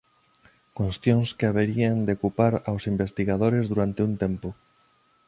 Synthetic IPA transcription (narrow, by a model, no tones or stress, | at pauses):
kost̪jõŋskeaβeɾiand̪eokupaɾawsimbest̪iɣaðoɾezðuɾant̪ɪunt̪empʊ